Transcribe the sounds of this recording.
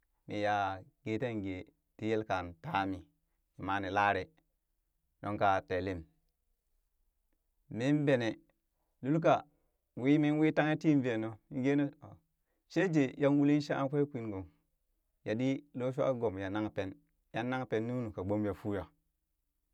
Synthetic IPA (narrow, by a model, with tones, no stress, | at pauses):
mi˨ja˨ɡ̥e˦te˦ɡe˨ | ti˦je˦lka˨nta˦mi˨ | i˨ma˨ne˨la˦ɾe˨ | no˦ŋka˨te˨le˦m | i˦n˦be˨ne˨ | lu˦lk̬a˨ | wi˦mi˦n˦wi˦ta˦ŋe˦ti˦m˦ve˨no˨i˦ɡe˦ne˦˨ | ʃe˦d͡ʒe˨ja˦nwu˦li˦ʃa˦a̰˦nkʷe˦kʷi˦nɡo˨m | ja˨di˦lo˦ʃ̬u˦a̰˦ɡo˨mja˨na˦ŋ˨pe˦n | ja˦nːa˦ŋpe˨nːi˦nu˨ka˨ɡ͡bo˦mja˨fu˦ja˨